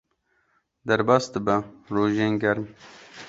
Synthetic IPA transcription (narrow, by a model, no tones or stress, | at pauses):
d̪ɐɾbɑːsd̪əbɐɾoːʒeːnɡɐɾm